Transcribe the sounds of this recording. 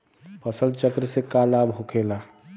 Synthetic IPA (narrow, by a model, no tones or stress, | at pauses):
pʰəsəlt͡ʃəkɾsekaːlaːbɦokʰeːlaː